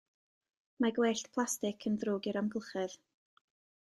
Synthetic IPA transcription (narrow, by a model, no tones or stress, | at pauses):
maɡweːɬtpʰlˠastɪkʰənðruːɡɪɾamɡəlˠχɛð